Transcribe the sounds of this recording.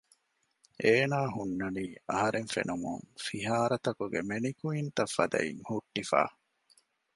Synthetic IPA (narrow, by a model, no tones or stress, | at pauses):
ʔeːnaːɦunːɐniːɐɦɐɾʔeŋfḛnumṵŋfiɦaːɾɐt̪ɐkuɡemenikuint̪ɐfːɐd̪ɐ̰ḭŋhuʈːifa̰ː